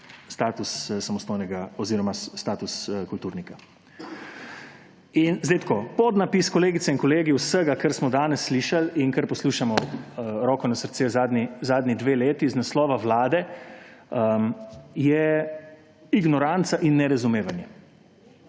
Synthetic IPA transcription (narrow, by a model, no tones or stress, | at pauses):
st̪aːt̪ussamɔst̪oːjnɛɡaɔziːɾɔmast̪aːt̪uskult̪uːɾnika | inzd̪ɛjt̪kʰoːpɔd̪napiːskɔleːɡit̪sɛinkɔleːɡiwsəɡakəɾsmɔd̪aːnɛsːliːʃaliŋkəɾpɔsluːʃamɔɾɔːkɔnasəɾt̪seːzaːd̪nizaːd̪nid̪ʋeːleːt̪iznaslɔːʋaʋlaːd̪ɛ | ə | jɛ | iɡnɔɾant̪saʔinːɛɾazumeːʋanjɛ